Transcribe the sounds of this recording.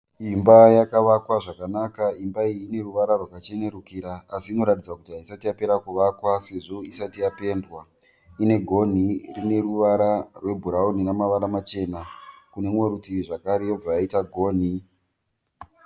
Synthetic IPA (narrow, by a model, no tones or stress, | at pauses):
imbajakaʋakwaʐakanakaimbaiiːne̞ruʋaɾarwakat͡ʃe̞ne̞ɾukiɾaːsiːno̞ɾatid͡zakutiɦaisatijape̞ɾakuʋakwase̞ʐo̞isatijape̞ndwa | ine̞ɡʱo̞n̤irine̞ruʋaɾarwe̞bʱuɾaoninamaʋaɾamat͡ʃe̞ːnakune̞mweɾutiʐakaɾe̞jo̞b͡vajaitaɡʱo̞ːn̤i